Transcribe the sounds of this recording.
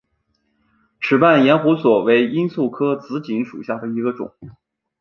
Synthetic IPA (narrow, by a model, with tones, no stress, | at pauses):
ʈ͡ʂʰɻ̩˨˩pa˥˩njɛ˧˥nxu˧˥swɔ˨˩we˧˥ɪi˥nsu˥˩kʰɤ˥t͡sɹ̩˧˥t͡ɕi˧˥ŋʂṵ˨˩ɕja˥˩d̪ə˩i˧˥ɡə˧ʈ͡ʂʊ̰˨˩˦ŋ